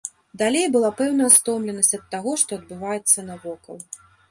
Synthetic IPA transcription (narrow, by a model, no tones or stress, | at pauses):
d̪alʲejbɨlˠapɛwnɐɐst̪ɔmlʲɛnɐsʲtʲɐt̪ːaɣɔʂt̪ɔɐd̪̚bɨvajɛt̪sːɐnɐvɔkɐ̰lˠ